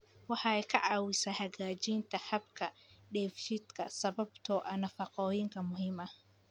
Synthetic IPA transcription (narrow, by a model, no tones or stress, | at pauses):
wɑħɑɛjkʰɐʕɑːwɪsahɐɣaːt͡ʃiːnt̪ʰɐhɐbkʰɐɖɛːfʃɪd̪kʰɐ̰sɐβɐbt̪ʰɔːʔɐnɐfɑqɔːjɪŋkʰɐmʊɦiːmɐ